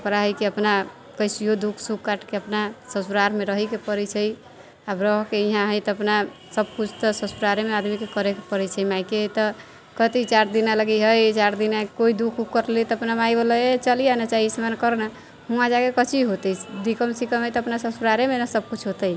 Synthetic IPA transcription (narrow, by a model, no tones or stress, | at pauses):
əpɾaɦəjkeəpna | kəjsijod̪ukʰsukkaʈkeəpnasəsuɾaɾmeɾəɦɛkepəɾɛt͡ʃʰəj | abɾəɦkeiɦãɦəjt̪ɔəpnasəb̚kut͡ʃʰt̪ɔsəsuɾaɾemead̪mikekəɾekepəɾɛt͡ʃʰəjmajket̪ɔ | kət̪it͡ʃaɾd̪inaləɡiɦəjt͡ʃaɾd̪inakoid̪ukʰukːəɾlit̪ɔəpnamajbələet͡ʃəlijanət͡ʃaɦiismankəɾna | hũãd͡ʒaɡekət͡ʃʰiɦot̪əd̪ikəmsikəmɦəjt̪ɔːpnasəsuɾaɾemenasəb̚kut͡ʃʰɦot̪əj